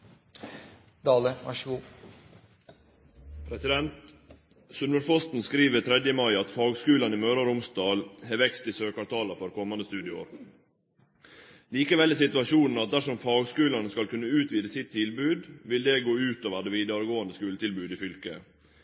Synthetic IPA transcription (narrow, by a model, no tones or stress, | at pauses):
d̪ɑːləʋɑʃʋuː | pʰɾɛsɪd̪ɛnt̪ | sʉnməfɔst̪n̩skɾiːʋət̪ʰɾɛd̪jəmɑɪɑt̪fɑːɡskʉːlɑnɪmœːɾɑɾʊmsd̪ɑːlheʋɛkst̪ɪsøːkɑt̪ʰɑːləfɔɾkʰɔmɑnd̪əst̪ʉːd̪ɪo̰ɾ | liːkəʋɛlːɪːsɪt̪ʉɑʃuːnn̩ɑt̪̚d̪æʂɔmfɑːɡskʉːlɑnəskɑlkʉnːəʉːt̪ʋiːd̪əsɪt̪ʰːɪlbʉːd̪ʋɪld̪ɛːɡoːʉːt̪oːʋæɖɛʋiːd̪ɑɾɡoːənd̪əskʉːlət̪ɪlbʉːd̪ɪːfʏlkə